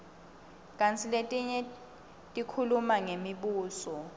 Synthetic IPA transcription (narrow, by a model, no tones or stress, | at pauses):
kʼant͡sʰiletʼiɲɛ | tʼikʰulumaŋemiɓuːsɔ